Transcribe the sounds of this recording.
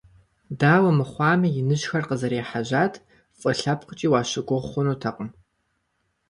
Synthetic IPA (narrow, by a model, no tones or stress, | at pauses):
daːwɐmɨχʷɑːmɨjɪnɨɕxɐrqəzɐɾeːħaʑaːtʰ | fʼɐɬɐpqʷʊt͡ʃʼiːwaːɕɪɡʷʊʁχʷʊnuːtʰɐqʼəm